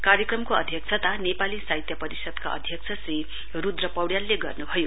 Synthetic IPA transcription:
kaɾjʌkrʌmkoʌd̪ʱjʌkt͡sʰʌt̪anepalisaɦit̪jʌpʌɾisʌd̪ka̰ʌ̰d̪ʱjʌkt͡sʰʌsri | rud̪rʌpʌwɽjalːeɡʌ̰rnubʱʌjo

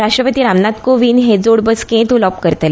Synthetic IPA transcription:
ɾasʈɾəpət̪iːɾamnat̪koʋinɦed͡zoɽbəskẽt̪ulɔpkəɾt̪əl

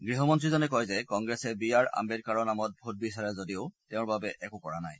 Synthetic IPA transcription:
ɡɹiɦɔmɔntɹizɔnɛkɔjzɛkɔŋɡɹɛsɛbijaɹa̰mbɛɹkaɹɔnamɔt̚bʱut̚bisaɹɛzodiʊtɛʊ̃ɹbabɛʔɛkʊkɔɹanaj

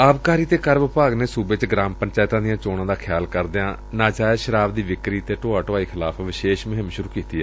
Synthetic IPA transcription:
aːbkaːɾiːt̪eːkəɾʋɪpaːɡneːsuːbet͡ʃɡɾaːmpəɲt͡ʃaːɪt̪ãːd̪ɪjãːt͡ʃoːɽãːd̪aːkʰɪjaːlkəɾd̪eːãː | nãːt͡ʃaːeʃəɾaːbd̪iːʋɪkɾiːt̪eːʈoːaːʈʊaːiːkʰɪlaːpʰʋɪʃeːʃmɪɦɪmʃʊɾuːkiːt̪iːɛ

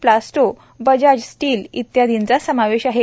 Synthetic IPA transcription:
plasʈo | bəd͡ʑad͡ʑsʈiːlḭt̪jad̪int͡sasəmaʋeɕaɦe

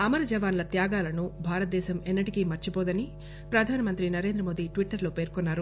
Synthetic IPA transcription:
ɐmɐɾɐd͡ʒɐʋaːnlɐt̪jaːɡaːlɐnubʱaːɾɐt̪̚d̪ɛːʃɐmenːɐʈikimɐɾt͡ʃipɔːd̪ɐni | pɾɐd̪ʱaːnɐmɐnt̪ɾinɐɾe̞ːnd̪ɾɐmo̞ːd̪iʈʋiʈːɐɾlo̞ːpe̞ːɾkɔnːaːɾu

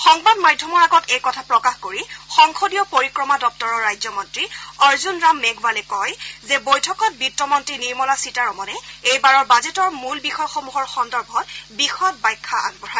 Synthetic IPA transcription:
xɔŋbadmajdʱːɔmɔɹaɡɔtejkɔtʰapɹɔkaxkoɹixɔŋxodijɔpoɹikɹɔmadɔp̚tɔɹɔɹajzɔmɔntɹiɔɹzunɹamːeɡʱwalɛkɔjzɛbojtʰɔkɔt̚bitːɔmɔntɹiniɹmɔlasitaɹɔmɔnɛejbaɹɔɹbazetɔɹmulbixɔjxomuɦɔɹxɔndɔɹbʱɔtbixɔt̚bajkʰːaa̰nbɔɹa

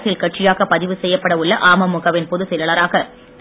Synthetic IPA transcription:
sɪlkɐʈt͡ʃɪjaːɣɐpɐðɪʋɯsɛjːɐpːɐɽɐʊɭːɐʔaːmɐmʊɣɐʋɪnpɔðɯsɛjɐlɐɾaːɣɐ | t̪

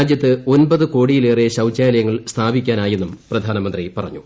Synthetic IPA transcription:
ad͡ʑjɐt̪ːɨo̞nbɐðɨko̞ːɽijile̞ːreɕɐwt͡ɕːaːlɐjɐŋːɐɭst̪ʰaːbikʲːaːnaːje̞nːumprɐd̪ʱaːnɐmɐnd̪ripɐrɐɲːu

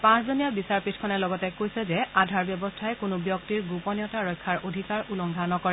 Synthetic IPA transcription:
pãszonijabisaɹpitʰkʰɔnɛlɔɡɔtɛkojsɛzɛadʱaɹbjɔbɔstʰaɛkʊnʊbjɔktiɹɡupɔnijɔtaɹɔjkʰːaɹodʱikaɹulɔŋɡʱanɔkɔɹɛ

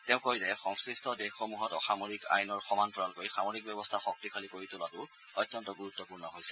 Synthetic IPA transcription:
tɛʊ̃kojzɛxɔŋsɹistʰɔdexxomuɦɔtɔxamoɹika̰jnɔɹxɔmantɔɔnkojxamoɹik̚bjɛbɔstʰaxɔk̚tikʰalikoɹitʊlatʊ | ɔjtːɔntɔɡuɹutːɔpuɹnɔɦojsɛ̥

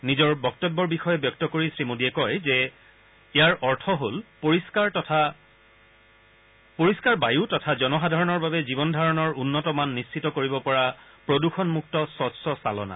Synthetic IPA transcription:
nizɔɹbɔk̚tɔbːɔɹbixɔjɛbjɔk̚tɔkoɹisɹimodiɛkɔjzɛ | ejaɹʔɔɹtʰɔɦolpoɹiskaɹɔtʰa | poɹiskaɹbajutɔtʰazɔnɔxadʱaɹɔnɔɹbabɛzibɔndʱaɹɔnɔɹunːɔtɔmanːist͡ʃʰitɔkoɹibɔpɔɹapɹoduxɔnmuk̚tɔsɔtsɔsalɔ̰na̰

